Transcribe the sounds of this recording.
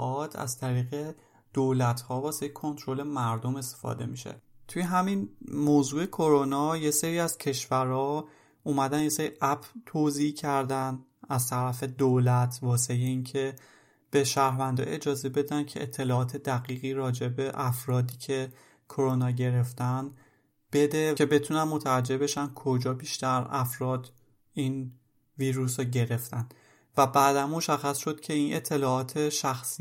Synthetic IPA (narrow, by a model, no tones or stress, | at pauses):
ɒːt̪ʰæ̰z̥t̪ʰæɾiːɣe̞ | d̪̥oːlæt̪hɒːvɒːsejekʰo̞nt̪ʰɾo̞le̞mæɾd̪ome̞st̪e̥fɒ̰ːd̪e̞̰miʃḛt̪ʰujeɦæminmoːzuːe̞kʰoɾonɒːje̞seɾiːæz̥cʰe̞ʃvæɾɒː | uːmæd̪ænjeseɾiʔæbt̪ʰoziːhcʰæɾd̪æn | æzt̪ʰæɾæfe̞d̪olæt̪ʰvɒːse̞jeiːncʰe̞ | b̥e̞ʃæːɾvænd̪ɒ̰ːe̞d͡ʒɒːze̞be̞d̪æncʰe̞̰ʔet̪ʰːe̞lɒːɒːt̪ʰe̞d̪æɣiːɣiːɾɒːd͡ʒe̞be̞ʔæfɾɒːd̪iːcʰe̞ | kʰo̞ɾonɒːɟe̞ɾe̞ft̪æn | b̥e̞d̪e̞ebe̞t̪ʰunænmo̞t̪ʰævæd͡ʒːe̞be̞ʃænkʰo̞d͡ʒɒːbiːʃt̪æɾæfɾɒːd̪ | iːn | viːɾusoɟe̞ɾe̞ft̪æn | væbæːd̪ænmo̞ʃæxːæsʃo̞d̪̥cʰe̞iːnʔet̪ʰːe̞lɒːɒːt̪ʰe̞ʃæxsi